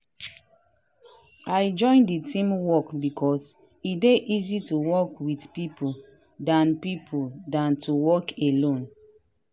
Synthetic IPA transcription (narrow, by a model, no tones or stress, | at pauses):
ajd͡ʒɔ̃ɪ̃nditʰĩmwɔkbikʰɔs | ideʔizituwɔkwidpipo | dãnpipʰuldãntʰuwɔkelõn